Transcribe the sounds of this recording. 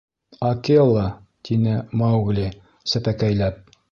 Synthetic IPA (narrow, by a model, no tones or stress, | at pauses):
ɑkelˠɑ | t̪ʰinɘmɑwɡlʲi | sɘpækæjlæp̚